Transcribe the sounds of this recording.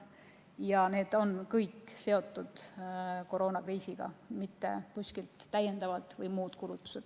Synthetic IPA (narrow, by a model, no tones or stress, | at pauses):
jɑne̞ːd̪̥o̞nkɤjkːse̞o̞t̪ːˑud̪̥ko̞ɾo̞ːnɑkriːsiɡ̥ɑ̰mit̪ːe̞̰kusʲkilt̪ːæjend̪ɑvɑd̪̥vɤjmuːd̪̥kulut̪ːˑu̥se̞d̪̥